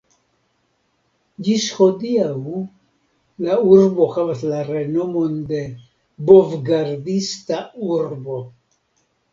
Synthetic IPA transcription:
d͡ʒishodiaw | lauɾbo̞havaslaɾe̞nomo̞nde̞ | bovɡaɾdistauɾbo̞

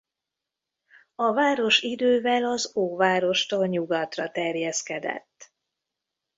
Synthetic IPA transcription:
ɒvaːɾo̞ʃid̪øːvɛlɒzoːvaːɾo̞ʃt̪oːlɲuɡɒt̪rɒt̪ɛrjɛskɛd̪ɛ̰t̪ː

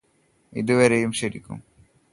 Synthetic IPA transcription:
ḭd̪uʋeɾejumʃeɾikːṵm

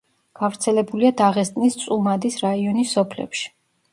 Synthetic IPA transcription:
ɡ̥avɾt̪sʰɛlɛbuliad̪aʁɛst̪ʼnist̪sʼumad̪isɾaiɔnisːɔpʰlɛ̰pʃi̥

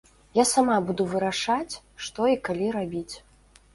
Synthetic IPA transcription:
jasamabud̪uvɨɾaʂat͡sʲ | ʂt̪ɔikalʲiɾabʲit͡sʲ

